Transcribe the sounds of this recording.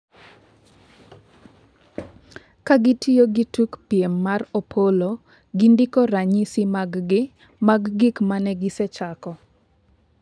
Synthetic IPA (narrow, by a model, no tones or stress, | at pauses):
kaɡɪtijoɡitukpjemːaropʰolo | ɡindɪkoɾaɲisimaɡ | maɡːɪkmanɛɡɪsɛt͡ʃakɔ